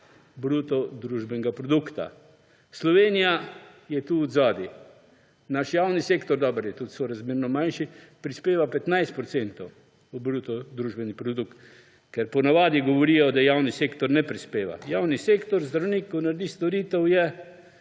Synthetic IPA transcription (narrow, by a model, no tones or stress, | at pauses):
bɾuːt̪ɔd̪ɾuʒbɛnɛɡapɾɔd̪ukt̪a̰ | slɔʋeːnija | jɛt̪uːd̪zaːd̪i | naʃjaːwnisekt̪ɔɾd̪ɔːbəɾjɛt̪ut̪sɔɾazmiːɾnɔmanʃipɾispeːʋapɛt̪najst̪pɾɔt̪sent̪ɔw | ubɾuːt̪ɔd̪ɾuːʒbɛnipɾɔd̪ukt̪ | kɛɾpɔnaʋaːd̪iɡɔʋɔɾiːjɔd̪ajaːwniseːkt̪ɔɾnɛpɾispeːʋa̰jawniseːkt̪ɔɾzd̪ɾawnikːɔnaɾd̪iːst̪ɔɾiːt̪ɛwjɛ